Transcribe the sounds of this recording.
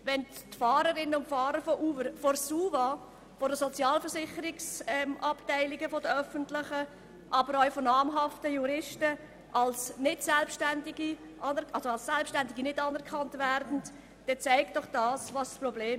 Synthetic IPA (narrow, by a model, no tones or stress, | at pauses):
ʋɛntfɑːɾəɾɪnəʊntfɑːɾəɾfɔʔuːvəɾfɔɾsuːva | fɔɾdəsɔt͡sjɑːlfəɾsɪχəɾɪksɛmʔɑptæɪlɪɡəfodəœfəntlɪχə | ʔɑbəɾœʊfonɑːmɦɑftəjuɾɪʃtə | ʔɑlsnɪtsɛlpʃtændɪɡi | ʔɑnɛʔɑlsoɑlsɛlpʃtændɪɡinɪdɑːnɛɾkʰɑntvæɾdn̩t | d̥ɛt͡saɪkt̚ɔχd̥ɑːsvɑssprɔbleː